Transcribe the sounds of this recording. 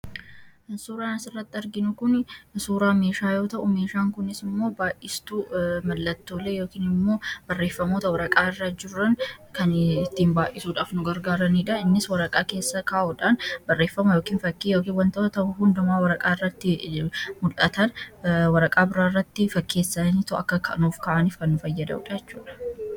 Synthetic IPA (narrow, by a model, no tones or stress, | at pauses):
suːɾaːnɐsɪrːɐt̪ːɪɐɾɡɪnʊkʊnsuːɾaːme̞ːʃaːjo̞ːt̪ɐʔʊmeːʃaːŋkʊnɪsɪmːo̞ːbaːʔʔɪst̪uːmɐlːɐt̪ːo̞ːle̞ːjo̞ːkiːnɪmːo̞ːbɐrːe̞ːfːɐmoːt̪ɐwɐɾɐkʼaːɪrːɐd͡ʒɪrːɐnkɐnɪt̪ːiːnbaːʔɪsuːᶑaːfnʊɡɐɾɡaːɾɐniːᶑɐɪnːɪswɐɾɐkʼaːke̞ːsːɐkaːʔʊᶑaːnbɐrːe̞ːfːɐmɐjoːkiːnfɐkːijo̞ːkiːnwɐnt̪ɐʔʊt̪ɐʊhʊnd̪ɐmaːwɐɾɐkʼaːɪrːɐt̪ːɪmʊlɐt̪ɐnwɐɾɐkʼaːbɪɾaːrːɐt̪ːɪfɐkːe̞ːsːɐniːt̪ʊɐ̰kːɐkʰɐ̰nuːfkɐʔɐniːfkɐnːʊfɐjːɐd̪ɐʊ̰ᶑɐjɛt͡ʃːuːᶑɐ̥